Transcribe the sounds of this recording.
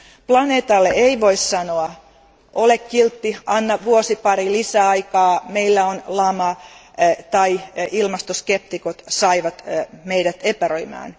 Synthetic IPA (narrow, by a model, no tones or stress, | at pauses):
plɑneːt̪ɑlːeeiʋoissɑnoɑ | ʔolekːilt̪ːiʔɑnːɑʋuosipɑɾilisæːɑikɑːmeilːæonlɑmɑ | t̪ɑiilmɑst̪oskep̚t̪ikot̪sɑiʋɑt̪meidæt̪epæroimɑ̰ːn